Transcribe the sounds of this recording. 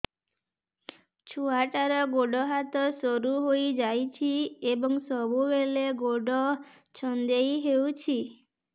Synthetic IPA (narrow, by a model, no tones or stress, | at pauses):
t͡ʃʰuaʈaɾɔɡoɖɔɦat̪ɔsɔɾuɦoid͡ʒajt͡ʃʰiebɔŋsɔbubeleɡoɖɔ | t͡ʃʰɔnd̪ejɦeut͡ʃʰi